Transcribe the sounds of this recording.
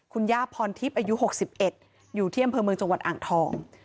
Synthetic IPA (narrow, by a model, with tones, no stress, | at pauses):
kʰu˧njaː˥˩pʰɔː˧nt̪ʰi˦˥p̚ʔaː˧ju˦˥ɦo˨˩k̚si˨˩p̚ʔe˨˩t̪̚ | juː˨˩t̪ʰiː˥˩a˧mpʰɤː˧mɯ˧ə˧ŋt͡ɕo˧ŋwa˨˩t̪̚ʔaː˨˩ŋt̪ʰɔː˧ŋ